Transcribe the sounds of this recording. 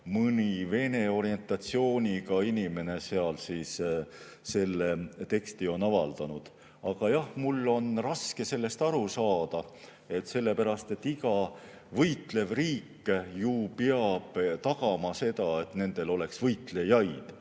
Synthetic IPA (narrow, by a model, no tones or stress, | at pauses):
mɯnive̞ne̞o̞ɾie̞nt̪ːˑɑt̪sio̞ːnʲikɑinime̞ne̞se̞ɑlsiːs | se̞lːe̞t̪e̞kst̪io̞nɑvɑ̰ld̪̥ɑnud̪̥ | ɑɡ̥ɑjɑhmulːo̞nrɑske̞se̞lːe̞st̪ɑɾusɑːd̪̥ɑ | e̞t̪se̞lːe̞pæɾɑst̪e̞t̪ːiɡɑ | vɤjt̪ˑle̞vriːkːjupeɑb̥t̪ɑɡɑmɑse̞t̪ɑe̞t̪ne̞nd̪̥e̞lo̞le̞ksvɤjt̪le̞jɑjd̪̥